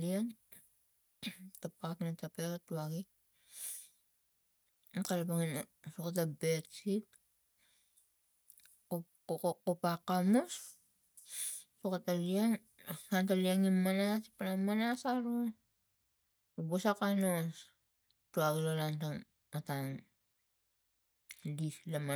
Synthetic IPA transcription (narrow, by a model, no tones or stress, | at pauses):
lian | tapaknatapeɾatuaɡi | kalapaŋinsukat̬abe̞tsit | kopakamos | sukatalian | kantaliaŋinmanaspanamːanasaɾo | busakanos | tuaɡilalantaŋ | ataŋ | lislama